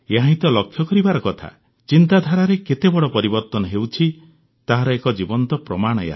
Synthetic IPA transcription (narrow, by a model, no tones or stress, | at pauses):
eɦãĩt̪ɔlɔkʰːjɔkɔɾibaɾɔkɔt̪ʰa̰ | t͡ʃint̪ad̪ʱaɾaɾeket̪ebɔɽɔpɔɾibɔɾt̪ɔnɔɦewt͡ʃʰi | t̪aɦaɾɔekɔd͡ʒibɔnt̪ɔpɾɔmaɽ̃ɔja̰